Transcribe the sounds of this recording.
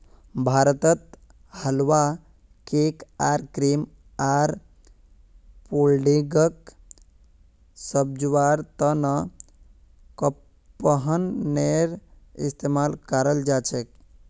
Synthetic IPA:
bʱaːɾət̪ət̪ | həlwa | kekaːɾkɾim | aːɾ | polɖiɡək | səb̚d͡ʒʋaɾt̪ənə | kə | pːəɦənːeɾ | ḭst̪eːmaːlkəɾəld͡ʒaːt͡ʃek

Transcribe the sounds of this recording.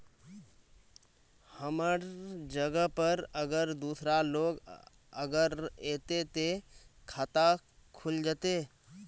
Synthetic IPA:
həməɾd͡ʒəɡəpəɾəɡəɾd̪uːsɾaloːɡ | əɡəɾeːt̪et̪ekʰaːt̪a | kʰʊld͡ʒat̪eː

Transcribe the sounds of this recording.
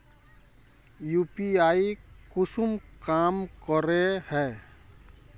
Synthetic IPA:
juːpiaːikʊsʊmkaːmkɔɾehɛː

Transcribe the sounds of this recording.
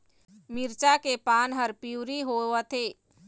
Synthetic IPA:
mɪɾt͡ʃakepaːnɦəɾpiuɾiɦoːət̪ʰeː

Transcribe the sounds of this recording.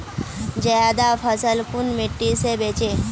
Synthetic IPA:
d͡ʒəjad̪afʰəsəlkunmiʈːisebet͡ʃe

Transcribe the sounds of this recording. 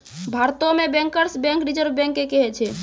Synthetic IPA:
bʱaɾt̪omẽbɛ̃ŋkəɾsbɛ̃ŋkɾid͡ʒəɾbʱbɛ̃ŋkːekɛɦɛt͡ʃʰɛ

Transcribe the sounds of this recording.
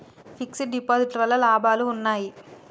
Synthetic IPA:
fiksiɖipoːziʈɐɾɐlɐlaːbaːluːnːaːji

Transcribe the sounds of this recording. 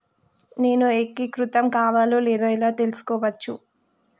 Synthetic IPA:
ne̞ːnuekːikɾut̪ɐmkaːʋaːloːlɛːd̪aːilaːt̪e̞lusu̥kɔːʋɐt͡ʃːu

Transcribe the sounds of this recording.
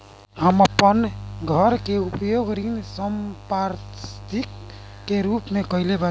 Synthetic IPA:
həməpːənɡʱəɾkeupjoɡɾinsəmpaɾtt̪ʰikː | eɾupmekəileba

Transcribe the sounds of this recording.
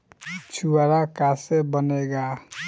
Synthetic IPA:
t͡ʃʰuaɾakasebəneɡa

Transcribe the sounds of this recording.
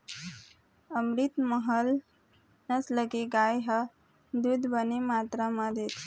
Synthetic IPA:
əmɾit̪məɦəl | nəsləɡeɡajɦə | d̪ud̪bənemat̪ɾamad̪et̪ʰ

